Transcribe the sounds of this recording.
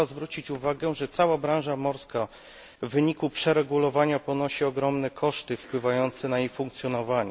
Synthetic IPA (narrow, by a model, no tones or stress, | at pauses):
azvɾut͡ɕit͡ɕuvaɡɛʐɛt̪sawabɾãw̃ʐamɔɾska | vːɘɲikupʂɛɾɛɡulɔvaɲapɔnɔɕiɔɡɾɔmnɛkʰɔʂt̪ɘfpwɘvajɔnt̪sɛnaijfuŋk̚t̪sʲjɔnɔvaɲɛ